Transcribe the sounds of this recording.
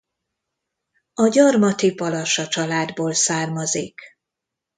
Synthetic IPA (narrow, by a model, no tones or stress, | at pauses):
ɒɟɒrmɒt̪ivɒlɒʃɒt͡ʃɒlaːd̪boːlsaːrmɒzik